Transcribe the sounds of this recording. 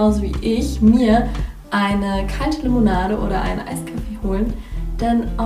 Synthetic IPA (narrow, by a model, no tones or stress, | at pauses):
aʊzovḭːʔɪçmiːɐʔaɪnəkʰaltəlemonaːɾəʔo̰ːɾɐʔa̰ɪnʔa̰ɪskʰafeːhoːlənd̥anʔa